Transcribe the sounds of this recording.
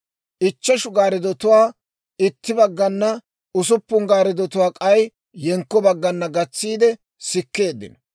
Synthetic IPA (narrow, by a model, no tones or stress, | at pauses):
ʔɪt͡ʃːɛʃʊɡaːɾɪd̪ɔt̪ʊwaː | ɪt̪ːɪbɐɡːɐnːɐ | ʊs̬ʊpːʊŋɡaːɾɪd̪ɔt̪ʊwaːkʼɐj | jɛŋkːɔbɐɡːɐnːɐɡɐt͡sːiːd̪ɛ | sɪkːe̞ːd̪ːɪ̰nɐ